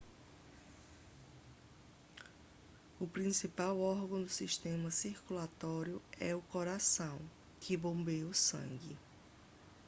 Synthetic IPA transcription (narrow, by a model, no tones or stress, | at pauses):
ʊpɾĩsipawɔɾɡɐ̃w̃d̪ʊsiʃt̪ẽmɐsiɾkulat̪ɔɾjʊɛ̰ʊkoɾasɐ̃w̃ | kʰɪbõbejʊsɐ̰̃ŋɡɪ